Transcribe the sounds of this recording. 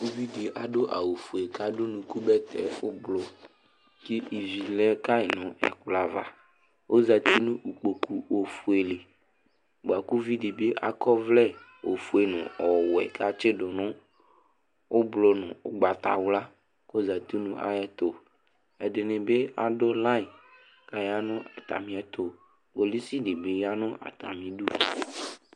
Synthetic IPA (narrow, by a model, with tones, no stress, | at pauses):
u˦vi˦di˨ʔa˨dʊ˦ʔa̰˨wo˨fu˨e˨ka˦dʊ˦nũ˨ku˦bɛ˦t̪ʰɛ̰˨ʊ˦blɔ˨ | ki˦ʔi˨vi˨lɛ˦ka˦ɪ˨nʊ̃˨ɛ̰˨kla˨va̰˨ | o˦za˨t̪i˦nʊ̃˦ʔu˨k͡po˨ku˨o˨fu˨e˨lɪ˨ | ɡ͡ba˨ku˦vi˦di˨be˦ʔa̰˨kɔ˦vlɛ˦ | wo˨fu˦e˨nʊ̰̃˨ɔ˨wɛ̰˨ka˦t͡ʃɪ˦dʊ˨nʊ̃˦ | o˦blo˨nʊ̰̃˨ʊ˨ɡ͡ba˨t̪a̰˨wʊ˦la˦ | ko˦za˨t̪i˦nũ˦ʔa̰˦jɛ˦t̪o˨ | ɛ˨dɪ˨nɪ̃˨be˦a˨do˦lã˦i˨ | ka˨ja˦nʊ̃˦a̰˨t̪a̰˨mĩ˦ɛ˨t̪o˨ | ɡo˨li˦si˦de˨be˦ja˦nʊ̃˦ʔa̰˨t̪a̰˨mĩ˨du˦˨